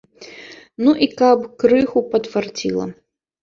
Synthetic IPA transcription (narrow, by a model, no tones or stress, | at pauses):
nuʔikɐpkɾɨxupɐt̪fart͡sʲḭlˠɐ̰